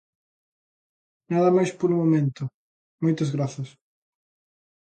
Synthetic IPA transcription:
naðɐmajspoɾumomẽnt̪ʊ | mojt̪ɐzɣɾaθɐs

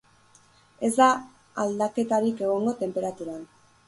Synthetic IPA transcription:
e̞zd̪a | ald̪ake̞t̪aɾike̞ɣ̞o̞ŋɡo̞t̪e̞mpe̞ɾat̪uɾan

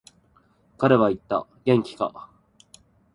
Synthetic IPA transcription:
kaɾe̞βait̪ːa̰ɡẽ̞ŋkʲi̥ka̰

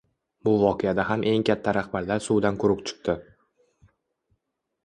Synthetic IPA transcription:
bʊvɒqʰejad̪aɦamʔe̞ŋkʲʰat̪ʰːaɾahbaɾlaɾsuwd̪ankʰʊɾʊpt͡ʃʰɨ̥q̚t̪ɪ

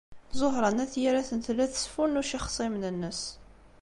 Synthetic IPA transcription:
zˤoɦɾˤɑnæθjiɾæθənt̪lːæθə̥sfunuʃiχsˤimnənːəs

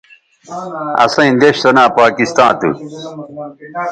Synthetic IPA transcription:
ɐ̰sɐ̃ĩnd̪eɕt̪onãːpaːkist̪ãːt̪ṵ

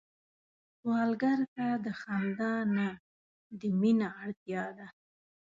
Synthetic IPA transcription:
wɑlɡaɾkad̪əxand̪ɑna | d̪əminaːɽt̪jɑd̪a

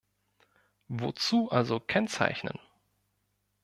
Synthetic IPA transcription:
vo̰t͡suːʔalzokʰɛnt͡sa̰ɪçnə̰n

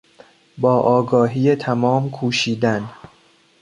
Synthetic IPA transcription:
bɒːʔɒːɡɒːɦiːet̪ʰæmɒːmkʰuːʃiːd̪æn

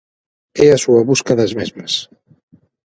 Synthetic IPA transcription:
ɛɐsuɐβuskɐðɐzmezmɐs

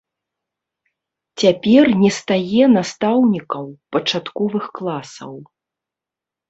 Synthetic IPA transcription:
t͡sʲapʲɛrnʲɛst̪ajɛnast̪awnʲikɐwpɐt͡ʂat̪kɔvɨxklˠasɐ̰w

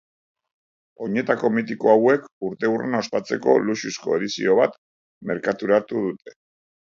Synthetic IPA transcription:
o̞ɲe̞t̪ako̞mit̪iko̞awe̞kuɾt̪e̞urḛnaospat͡se̞ko̞̰lususko̞̰e̞ðisḭo̞β̞at̪ | me̞ɾkat̪uɾat̪uð̞ut̪ʰe̞̥

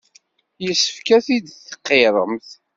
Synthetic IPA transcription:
jəsːə̥fkæθid̪θə̥qːeɾˤə̰mθ

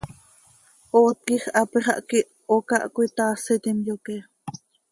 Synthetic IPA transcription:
ʔoːt̪̚kiχʔɑpiχɑ̰ʔkiʔ | okɑʔkʷit̪ɑːsit̪imjokɛ

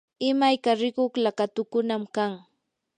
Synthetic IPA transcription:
ɪmajkaɾɪkoχlakat̪ʊkʊnamkaŋ

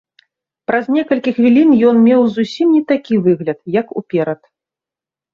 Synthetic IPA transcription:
pɾɐzʲnʲɛkɐlʲkʲixvʲilʲinjɔnmʲɛwzusʲimnʲɛt̪akʲivɨɣlʲɐt̪̚jɐkṵpʲɛɾɐt̪

